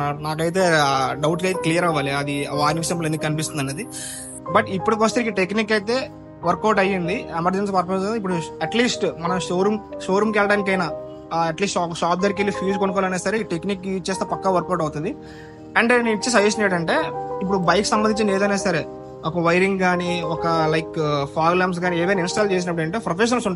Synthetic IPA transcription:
naːkɐjt̪e̞ːɖɐwʈkɐjt̪eklijɐɾɐʋːaːliɐd̪iʋaːɾniksemplend̪ikːkɐnipist̪und̪ɐned̪i | bɐʈipːuɽik̬ʋɐst̪eikːɐʈekniːkɐjt̪e̞ː | ʋɐɾkːɐwʈɐjːind̪iemɐɾd͡ʒens̬ipɐɾpɐmsipːuɽuɐʈliːsʈmɐnɐmʃoːɾumʃoːɾumkɛlɽaːnik̬ɐjnaː | ɐʈliːsʈɔkɐʃaːp̚d̪ɐɾkelːipʰuːd͡ʒkonuk̬ɔːlɐneːsɐɾeʈekniːkt͡ʃːeːst̪eːpɐkːaːʋɐɾkːɐwʈɐwt̪und̪i | ɐɳɖeniʈt͡ʃːes̬ɐʋeːs̬ɲd͡ʒejɐʈɐɳʈe̞ːip̬ːuɽubɐjkːi̥sɐmbɐnd̪iɲt͡ʃɐnleːd̪ɐneːsɐɾeː | ɔkɐʋɐjɾiŋɡɡaːniɔkɐlɐjkpʰaːɡlɐːms̬ɡaːnieːʋeninsʈaːlt͡ʃeːs̬inɐpːuɽɐɳʈeːpɾopeʃ̬ɐnlsuɳ

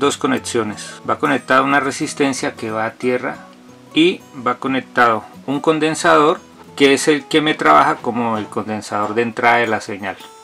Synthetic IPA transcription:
d̪o̞sko̞neksjo̞ne̞sbako̞nek̚t̪aðounare̞sist̪e̞nsjake̞βaːt̪je̞ra̰ | ibako̞ne̞k̚t̪aðo̞uŋko̞nd̪e̞nsaðo̞ɾ | keese̞lke̞me̞t̪ɾaβaxako̞mo̞elko̞nd̪e̞nsaðo̞ɾd̪ent̪ɾaðaelase̞ɲal

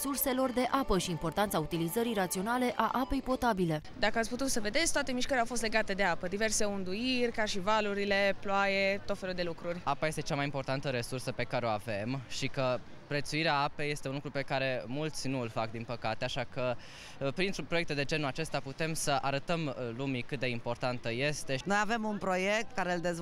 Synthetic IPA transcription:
surse̞lo̞rd̪e̞ʔapəʃiːmpo̞rt̪ant̪saut̪ilizəɾijɾat̪sio̞nale̞ʔaʔape̞jpo̞t̪abile̞d̪akəat̪sʲput̪ut̪səve̞d̪esʲt̪oat̪e̞miʃkəɾeawfo̞st̪le̞ɡat̪e̞d̪e̞apəd̪ive̞rse̞und̪uirʲkaʃivaluɾile̞ploajet̪o̞t̪fe̞lud̪e̞lukɾurʲapaje̞st̪e̞t͡ʃamajimpo̞rt̪ant̪əɾe̞sursəpe̞kaɾeo̞ave̞mʃikə | pɾe̞t̪suiɾeaape̞je̞st̪eunlukɾupe̞kaɾe̞mult̪sʲnuɨlfakd̪inpəkat̪eaʃakə | pɾint̪ɾupɾojekt̪d̪e̞d͡ʒe̞nuat͡ʃe̞st̪aput̪e̞msəʔaɾət̪əmlumikɨt̪̚d̪e̞impo̞rt̪ant̪əje̞st̪e̞no̞jave̞munpɾo̞je̞k̚t̪kaɾe̞ld̪e̞z

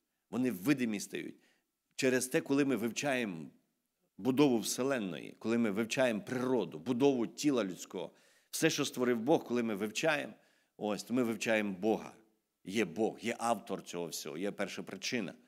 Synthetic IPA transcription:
ʋɔnɪwːɪd̪ɪmʲist̪ɐ̰jṵt̚ʲ | t͡ʃɛɾezt̪ɛkɔlˠɪmɪʋɪwt͡ʃɑjem | bʊd̪ɔʋʊwselˠɛnːɔ̰jḭkɔlˠɪmɪʋɪwt͡ʃajempɾɪɾɔd̪ʊbʊd̪ɔʋʊtʲilˠɐlʲʊt͡sʲkɔ̰ɦɔ̰ | fsɛʃt͡ʃɔst̪ʋɔɾɪwbɔxkɔlˠɪmɪʋɪwt͡ʃɑjḛm | ɔsʲt̪ɔmɪʋɪwt͡ʃajembɔɦɐ̰ | jɛbɔɣjɛʔɑwt̪ɔrt͡sʲɔɦɔwsʲɔ̰ɦɔ̰jɛpɛrʃɐpɾɪt͡ʃɪnɐ̰

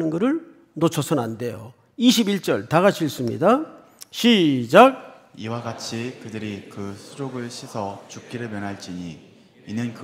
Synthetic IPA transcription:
nɯnɡʌɾɯɭ | not͡ɕʰʌsʰʌnande̞jo̰ | iɕʰibiɭt͡ɕ͈ʌɭtaɡaɕʰiɭs͈umɲḭda | ɕʰid͡ʑak̚ | iwaɡat͡ɕʰikɯdɯɾikɯsʰuɾoɡɯɭɕʰisʰʌt͡ɕup̚k͈iɾɯɭmjʌnɦaɭt͡ɕ͈iɲi | inːɯnk

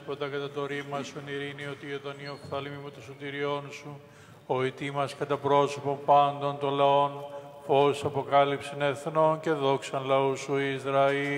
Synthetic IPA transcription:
pod̪ɐkɐt̪ɐt̪o̞ɾimɐsueniɾinio̞t̪ioðɐniofθɐlimimut̪osot̪iɾio̞nsu | oit̪imɐskɐt̪ɐpɾo̞so̞po̞mpɐnd̪o̞nt̪o̞nlɐo̞nfo̞isɐpokɐlipsene̞θno̞nce̞ðo̞ksɐnlɐusuizɾɐi

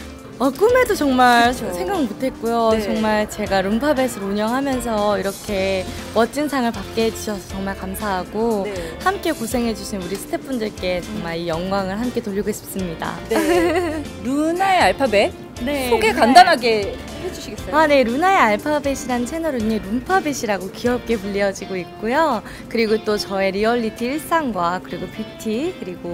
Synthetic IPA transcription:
ak͈ɯme̞dot͡ɕʌŋmaɭsʰe̞ŋɡaŋɭmutʰe̞t̚k͈ujot͡ɕʌŋmaɭt͡ɕe̞ɡaɾumpʰabe̞sʰɯɾuɲʌŋɦamjʌns̬ʰʌiɾʌkʰe̞ | wʌt͡ɕ͈insʰaŋɯɭpak̚k͈ed͡ʑuɕʰʌsʰʌt͡ɕʌŋmaɭkamsʰaɦaɡohamk͈e̞kosʰe̞ŋɦe̞d͡ʑuɕʰinuɾisʰɯ̥tʰe̞p͈undɯɭk͈e̞t͡ɕʌŋmaɭijʌŋɡwaŋɯɭɦamk͈e̞toʎːiɡoɦiɕ͈i̥ps͈ɯmɲida̰ | ɾunaeaɭpʰabe | ne̞oɡekandanɦaɡe̞ | hed͡ʑuɕʰiɡes͈ʌane̞ɾunae̞aɭpʰabeɕʰiɾant͡ɕʰe̞nʌɾɯɲiɾumpʰabeɕʰiɾaɡokiʌp̚k͈e̞puʎːiʌd͡ʑiɡoik̚k͈ojo | kɯɾiɡot͈ot͡ɕʌe̞ɾiʌʎːitʰiiɭs͈aŋɡwakɯɾiɡopʰitʰikɯɾiɡo

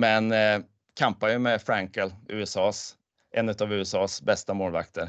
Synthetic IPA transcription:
mɛn | kʰampajɵmɛfɾaŋkəlʉ̟̰ːɛsɑːs | ʔɛnːʉ̟t̪avʉ̟ːɛsɑːsbɛst̪amoːlva̰kt̪ʰəɾ

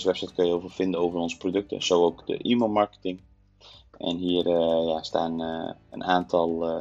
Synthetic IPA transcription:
səʋɛpsɑjtkønjəowvəfɪndənowvərɔnzə̥prodɵk̚tə̰sowowkdə̰ʔiməmɑɹkə̥tɪŋ | ʔɛ̰nɦiːərəjasta̰ːnə̰naːntʰɑlˠ

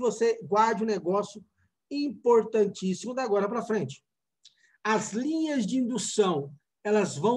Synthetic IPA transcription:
voseɡwaɾd͡ʒɪũneɡɔsjʊ | ĩpoɾt̪ɐ̃nt͡ʃisimʊd̪aɡɔɾɐpɾɐfɾẽnt͡ʃɪ̥ | ɐzlĩɲɐzd͡ʒɪĩnd̪usɐ̃w̃ | ɛlɐzvɐ̃w̃

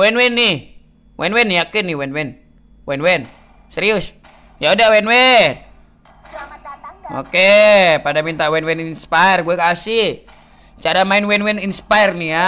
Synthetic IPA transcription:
wɛnwɛnːih | wʔɛnwɛnijakɨniwɛnwɛn | wɛnwɛn | sɛɾius | jaudawɛnwɛn | o̰kepadamint̪awɛnwɛninspaɛrɡuɛkasih | t͡ʃaɾamainwɛnwɛninspaɛrnia

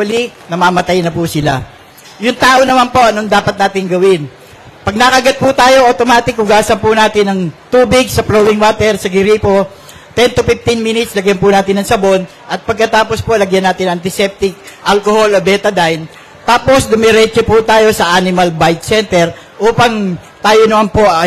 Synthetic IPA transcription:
ɐlinɐmaːmɐt̪ajnɐpusɪla̰ | jʊŋt̪aːʔo̞nɐmanpo̞ʔɐnoŋd̪aːpɐt̪̚naːt̪ɪŋɡɐwɪn | pɐɡ̚nakɐɡɐt̪̚pʊt̪aːjo̞ʔot̪omaːt̪ɪkʊɡaːsɐnpʊnaːt̪ɪnɐŋt̪uːbɪɡsɐplowɪŋwat̪ɛɾsɐɡɪɾiːpo̞ | t̪ɛnt̪ʊpɪft̪ɪnminɪt̪slɐɡjɐnpʊnaːt̪ɪnɐŋsɐbo̞n | ʔɐt̪̚pɐɡ̚kɐt̪aːpo̞spo̞lɐɡjɐnːaːt̪ɪnɐʔɐnt̪ɪsɛp̚t̪ɪk̚ʔalkoholobɛːt̪ɐd̪ajn | t̪aːpo̞sd̪ʊmɛɾɛt͡ʃopʊt̪aːjo̞sɐʔanɪmɐlbajt̪̚sɛnt̪ɛɾ | ʔuːpɐŋ | t̪aːjonɐmanpo̞

